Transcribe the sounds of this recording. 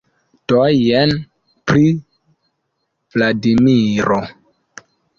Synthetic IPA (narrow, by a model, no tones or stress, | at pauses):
tojen | pɾi | vladimiɾo